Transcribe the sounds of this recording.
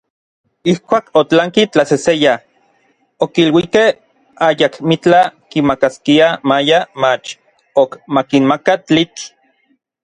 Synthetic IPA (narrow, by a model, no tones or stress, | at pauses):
ihkʷaːkot͡ɬaŋkit͡ɬaseseja | okilwikeh | ajakmit͡ɬakimakaskiamajamat͡ʃ | okmakinmakat͡ɬit͡ɬ